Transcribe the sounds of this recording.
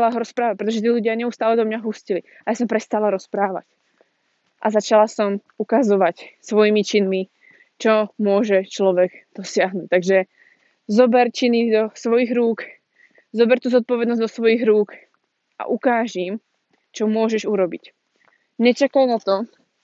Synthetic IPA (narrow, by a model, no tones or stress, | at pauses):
laɦɔɾɔspɾaːʋac̚pɾɛt̪ɔʒɛt̪iːluɟɪaɲɛust̪aːlɛd̪ɔmɲaɦuscili | ajaːsɔmpɾɛst̪alaɾɔspɾaːʋa̰c | ʔazat͡ʃalasɔm | ukazɔʋacsʋɔjimit͡ʃinmi | t͡ʃɔmʊɔʒɛt͡ʃlɔʋɛɡd̪̥ɔsɪaɦnuːc̚t̪aɡʒɛ | zɔbɛɾt͡ʃinid̪ɔsʋɔjiɣɾuːk | zɔbɛɾt̪uːzɔt̪̚pɔʋɛd̪nɔzd̪ɔsʋɔjiɣɾuːk | ʔa̰ʔukaːʒim | t͡ʃɔmʊɔʒɛʒuɾɔbic | ɲɛt͡ʃakajnat̪ɔ